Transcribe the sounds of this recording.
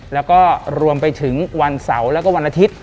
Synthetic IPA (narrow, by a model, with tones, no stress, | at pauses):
lɛː˦˥wkɔː˥˩ɾu˧əmpa˧jt̪ʰɯ˩˦ŋwa˧nsa˩˦wlɛː˦˥wkɔː˥˩wa˧nʔa˧t̪ʰi˦˥t̪̚